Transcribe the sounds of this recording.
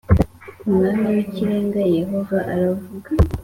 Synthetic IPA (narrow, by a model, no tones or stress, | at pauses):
umŋaːnawiciɾe̞ːŋɡaje̞ɦo̞vaʔaɾavuɡa